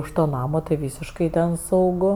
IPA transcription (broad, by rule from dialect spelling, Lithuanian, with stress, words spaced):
ʊʃ ˈtoː ˈnɑːmoː tɐɪ ˈʋʲiːsʲɪʃkɐɪ tʲɛn sɐʊˈɡʊ